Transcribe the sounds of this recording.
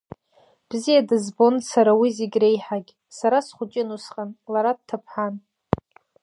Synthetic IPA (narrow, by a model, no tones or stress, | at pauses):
b̥zijadɨzbo̞nsaɾawiziɡʲre̞jħaɡʲʼ | saɾasχʷʊt͡ʃʼɪnusqʼanlaɾad̚tʰapʰħan